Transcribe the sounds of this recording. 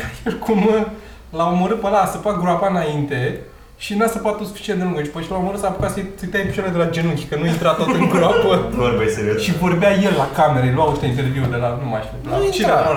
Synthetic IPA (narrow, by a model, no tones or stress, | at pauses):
jelkʰum | laomoɾɨt̪̚pəlasəpatɡɾoapaɨnaint̪e | ʃinasəpat̪osu̥fi̥t͡ʃient̪d̪euŋɡət͡ʃpəʃilaomoɾɨt̪sapu̥kat̪səsəjt̪ajpi̥ʃaɾled̪elad͡ʒenukʲi̥kənuint̪ɾat̪ot̪ɨŋɡɾoapəoɾbeseɾʃivo̞rbeaje̞lːakame̞ɾeluaoʃt̪eint̪erviud̪elanumaʃilat͡ʃia